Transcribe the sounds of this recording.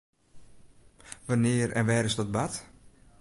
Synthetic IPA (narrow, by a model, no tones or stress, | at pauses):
ʋanɪərɛ̰nʋɛːɾɪsdɔt̚bat